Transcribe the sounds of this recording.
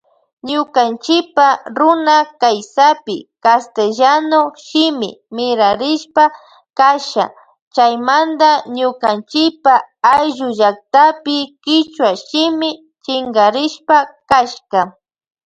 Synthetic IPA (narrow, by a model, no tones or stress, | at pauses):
ɲʊkant͡ʃɪpaɾʊnakajsapɪ̰kast̪eʒanoʃɪmɪ̰mɪɾaɾɪʃpa | kaʃa̰ | t͡ʃajmand̪aɲʊkant͡ʃɪpaajʒʊʒak̚t̪apɪkɪt͡ʃwaʃɪmɪ | t͡ʃɪŋɡaɾɪʃpakaʃka